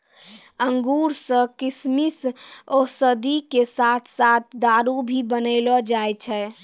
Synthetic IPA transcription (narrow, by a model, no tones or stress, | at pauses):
əŋɡuɾsə̃kismisosəd̪ikesat̪ʰsat̪ʰd̪aɾubʱibənəɪlɔd͡ʒajt͡ʃʰɛ